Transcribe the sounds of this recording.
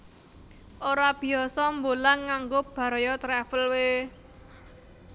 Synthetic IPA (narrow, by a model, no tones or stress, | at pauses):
ʔoɾab̥i̤ɔsɔmbolaŋːaŋɡob̥ä̤ɾɔjɔt̪ɾɛfəlwe